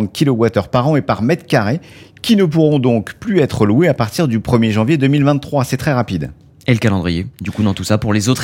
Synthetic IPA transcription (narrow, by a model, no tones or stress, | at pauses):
t̪̚kʲʰilowat̪œʁpaʁɑ̃epaʁmɛd̪kaʁekʲinəp̬uʁɔ̃d̪ɔ̃kplyɛt̪χəlweapaʁt̪iʁd̪ypχəmjeʒɑ̃vjed̪əmilvɛ̃nt̪ːχwasɛt̪χɛʁapid̪ | eləkalɑ̃d̪ʁijed̪ykud̪ɑ̃t̪usapuʁlezot̪χ